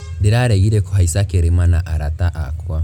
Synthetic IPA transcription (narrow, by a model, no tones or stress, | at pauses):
diɾaɾɛɣiɾɛkuɦaisakeɾemanaʔaɾataʔa̰kwa